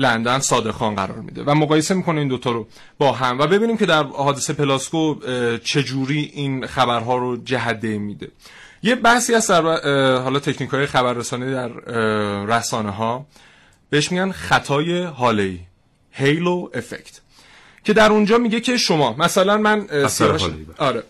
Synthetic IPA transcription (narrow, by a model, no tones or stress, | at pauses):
lænd̪ænsɒːd̪e̞xɒːnɢæ̰ɾɒ̰ːɾmḭːd̪e̞̰væmoɣɒːje̞se̞miːkʰo̞neiːnd̪ot̪ʰɒːɾo | bɒːɦæmvæbe̞biːniːmcʰe̞d̪æɾhɒːd̪esepʰe̞lɑskot͡ʃʰe̞d͡ʒuːɾiːʔinxæbæɾɦɒːɾod͡ʒæɦæd̪ːejmːiːd̪e̞̰ | jebæhsiːhæst̪d̪æɾbɦɒːlɒːt̪ʰe̞cʰniːkʰɒːje̞xæbæɾːesɒːnid̪æɾː | æsɒːne̞ɦɒː | b̥e̞heʃmiɟænxæt̪ʰɒːje̞ɦɒːleiː | hejloʔe̞fḛct̪ | cʰe̞d̪æɾund͡ʒɒːmiɟe̞cʰe̞ʃomɒːmæsælænmænsiɒːɾe